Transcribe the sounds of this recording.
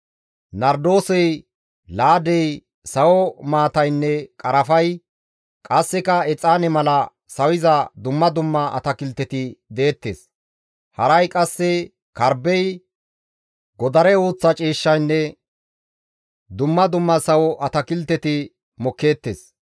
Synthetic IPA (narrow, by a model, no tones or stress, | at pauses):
nɐɾd̪o̞ːsɛj | laːd̪ɛj | sɐwɔmaːt̪ɐjnːɛkʼɐɾɐfɐj | kʼɐsːɛkɐɛt͡sʼaːnɛmɐlɐ | sɐwɪzɐd̪ʊmːɐd̪ʊmːɐʔɐ̰t̪ɐkɪlt̪ːɛt̪ɪd̪eːt̪ːḛːs | hɐɾɐjkʼɐsːɛ | kɐɾbɛj | ɡɔd̪ɐɾɛoːt͡sːɐt͡ʃʼiːʃːɐjnːɛ | d̪ʊmːɐd̪ʊmːɐsɐwɔʔɐt̪ɐkɪlt̪ːɛt̪ɪ | mɔkːe̞ːt̪ːḛːs